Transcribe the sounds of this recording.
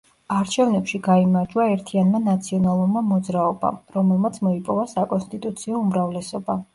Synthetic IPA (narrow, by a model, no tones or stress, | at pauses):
aɾt͡ʃʰɛvnɛpʃiɡaimaɾd͡ʒwaɛɾt̪ʰianmanat̪sʰiɔnalˠuɾmamɔd̪zɾaɔba̰ɾɔmɛlˠmat̪sʰmɔipʼɔvasakʼɔnst̪ʼit̪ʼut̪sʰiɔumɾavlɛsɔba